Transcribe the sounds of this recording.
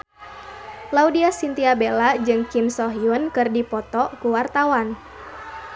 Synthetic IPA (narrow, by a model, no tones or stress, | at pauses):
laudiasint̪iabelad͡ʒɨŋkimsɔɦiunkɨrdipɔt̪ɔkuwart̪awan